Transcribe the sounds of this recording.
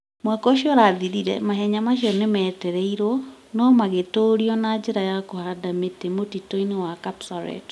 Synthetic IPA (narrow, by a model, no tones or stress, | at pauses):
mwakɔoɕiɔɾaðiɾiɾɛ̰maɦɛɲamaʃiɔnemɛːtɛɾɛiɾɔnɔmaɣetoɾiɔnad͡ʒeɾajakohadametemotitoinewakapsaɾɛ̰t